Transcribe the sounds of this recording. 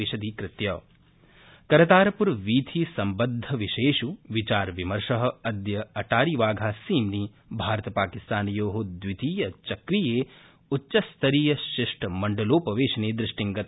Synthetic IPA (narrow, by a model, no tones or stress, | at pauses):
iʃɐd̪iːkɾɪt̪jɐː | kɐɾɐt̪aːɾɐpuɾʋiːt̪ʰiːsɐmbɐd̪ʱːɐʋiʃeːʂuʋit͡ʃaːɾʋimɐɾʂɐɦɐ̆ɐd̪jɐɐʈaːɾiʋaːɡʱaːsiːmni | bʱaːɾɐt̪ɐpaːkist̪aːnijoːɦod̪ʋit̪iːjɐt͡ʃɐkɾijeː | utːʃɐst̪ʰɐɾiːjɐʃɾɪʂʈʰɐmɐɳɖɐloːpɐʋeːʃɐneːd̪ɾɪʂʈiŋɡɐt̪